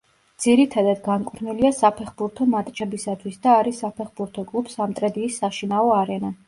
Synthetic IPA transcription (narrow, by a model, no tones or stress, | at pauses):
d̪z̥iɾit̪ʰad̪ad̪ɡankʼɾniliasapʰɛχbuɾt̪ʰɔmat̪ʼt͡ʃʰɛbisat̪ʰwisd̪aːɾisapʰɛχbuɾt̪ʰɔkʼlˠupʰsamt̪ʼɾɛd̪iːsːaʃinaɔaɾɛna